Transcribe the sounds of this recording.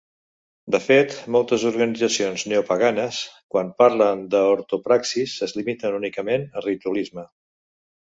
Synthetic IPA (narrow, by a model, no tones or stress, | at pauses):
d̪əfet̪molˠt̪əzuɾɣənid͡zəsionzneupəɣanəskwanpaɾlənd̪əoɾt̪upɾaksisəzlimit̪ənunikəmenərit̪uəlizmə